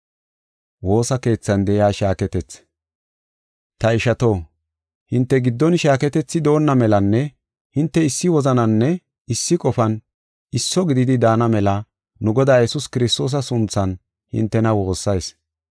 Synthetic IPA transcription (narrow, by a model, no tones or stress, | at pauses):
wo̞ːsɐke̞ːt͡sːɐnd̪ɛʔɪaːʃaːkɛt̪ɛt͡s | t̪ɐɪʃɐt̪o̞ː | hɪnt̪ːɛɡɪd̪ːɔnʃaːkɛt̪ɛt͡sːɪd̪o̞ːnːɐmɛlɐnːɛ | hɪnt̪ːɛɪsːɪwɔzɐnɐnːɛ | ɪsːɪkʼɔfɐn | ɪsːɔɡɪd̪ɪd̪ɪd̪aːnɐmɛlɐ | nʊɡɔd̪aːjɛsʊskɪɾɪst̪o̞ːs̬ɐsʊnt͡sːɐn | hɪ̰nt̪ːɛnɐwo̞ːsːɐjs